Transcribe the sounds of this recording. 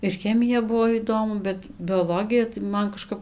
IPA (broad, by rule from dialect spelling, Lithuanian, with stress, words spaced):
ɪr ˈxʲæːmʲɪjɛ ˈbuɔ ˈiːdoːmʊ bʲɛt bʲoːˈlˠoːɡʲɪjɛ tɐɪ ˈmɐn kɐˈʃkɐp